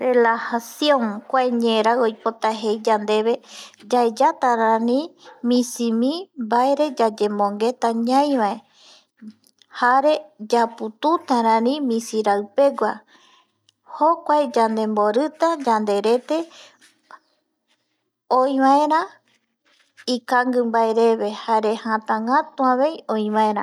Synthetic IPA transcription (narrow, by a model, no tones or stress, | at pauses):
relahasjõŋkʷaeɲẽɾaojpot̪aɦejd͡ʒand̪e̞βe̞d͡ʒaed͡ʒat̪aɾãnĩmĩsimĩmbaeɾe̞d͡ʒad͡ʒemõŋɡe̞t̪aɲãj̃βae | haɾe̞d͡ʒaput̪ut̪aɾãnĩmĩsiɾaɨpe̞ɡʷa | hokʷaed͡ʒand̪e̞mboɾɨt̪ad͡ʒand̪e̞ɾe̞t̪e̞ | oĩβaẽɾa | ikaŋɡɨmbaeɾe̞βe̞haɾe̞hãt̪ãŋɡat̪uaβe̞jõĩβaẽɾã̰